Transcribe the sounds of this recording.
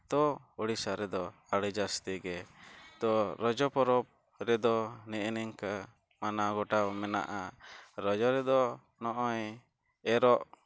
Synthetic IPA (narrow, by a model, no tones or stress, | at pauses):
t̪ɔuɽisaɾɛd̪ɔ | aɽəd͡ʒast̪iɡɛt̪ɔɾɔd͡ʒɔpɔɾɔb̚ | ɾɛd̪ɔnɛʔnɛŋka | manaɡɔʈawmɛna̰ʔaɾɔd͡ʒɔɾɛd̪ɔ | nɔʔɔɲ | ɛɾɔʔ